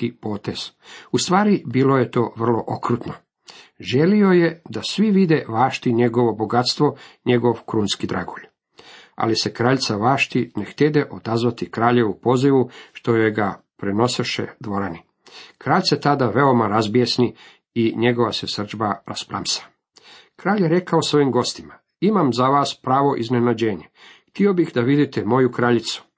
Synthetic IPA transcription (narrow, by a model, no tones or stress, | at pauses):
kipo̞ːt̪ez̥ust̪ʋaːɾibiːlo̞je̞t̪o̞ːʋr̩lo̞ʔokɾuːt̪no | ʒelio̞je̞d̪asʋiʋid̪eʋaːʃt̪iɲe̞ɡo̞ʋo̞bo̞ɡat̪st̪ʋo̞ɲe̞ɡo̞ʋkɾuːnskid̪ɾa̰ɡoʎ | a̰lise̞kɾaːʎt̪saʋaːʃt̪inext̪ed̪eʔo̞d̪azʋat̪ikɾaːʎe̞ʋupo̞ːziʋuʃt̪o̞jojɡapɾeno̞seʃḛd̪ʋo̞ɾani | kɾaːʎtset̪ad̪aʋe̞o̞maɾazbijesni | iɲe̞ɡo̞ʋasesr̩d͡ʒbaɾaspɾa̰msḁ | kɾaːʎjeɾe̞kaosʋo̞imɡo̞st̪ima | imamzaʋaːspɾaːʋo̞ʔizne̞nad͡ʑeːɲext̪io̞bixd̪aʋid̪it̪emo̞jukɾaʎit̪su̥